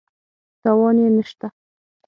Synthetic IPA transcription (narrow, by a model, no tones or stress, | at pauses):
t̪awɑnenəʃt̪a